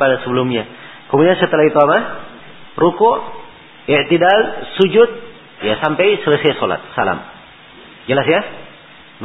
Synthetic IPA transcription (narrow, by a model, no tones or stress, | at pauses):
padasəbəlumɲa | kəmudiansət̪əlaɦit̪uama | rukʊʔ | iʔt̪idalsud͡ʒʊt̪̚ | jasampɛjsələsajsola̰t̪̚sala̰m | d͡ʒəlasja | b